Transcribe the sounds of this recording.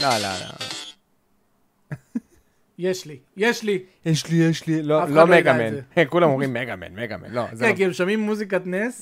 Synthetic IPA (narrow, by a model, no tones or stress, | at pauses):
nala̰la̰ | jeʃlijeʃlijeʃlijeʃliloalomeɡamenkulamoʁimːeɡamḛnmeɡamḛnlozekiemʃamimːuzik̬at̪nes